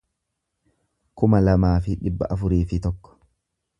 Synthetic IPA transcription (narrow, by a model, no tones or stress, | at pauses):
kʊmɐlɐmaːfɪᶑɪbːɐ̰ʔɐfʊɾiːfɪt̪ɔkːɔ̥